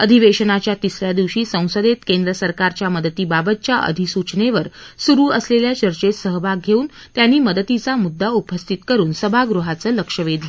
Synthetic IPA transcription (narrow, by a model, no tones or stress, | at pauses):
əd̪ʱiʋeɕənat͡ɕjat̪isljad̪iʋɕiːsə̃w̃səd̪et̪kend̪ɾəsəɾkaɾt͡ɕjaməd̪ət̪iːbabət̪̚t͡ɕjaʔə̰d̪ʱisut͡ɕɳeʋəɾsuɾuːəsleljat͡ɕəɾt͡ɕet̪səɦbʱaɡɡʱeuːn | t̪janːiːməd̪ət̪it͡samud̪ːaupəst̪ʰit̪kəɾuːnsəbʱaɡɾuɦat͡səːləkʂəʋed̪lə